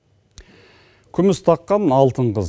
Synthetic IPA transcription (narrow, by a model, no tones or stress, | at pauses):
kʲʰʏmɪst̪ʰɑqːɑnɑlˠt̪əɴqəz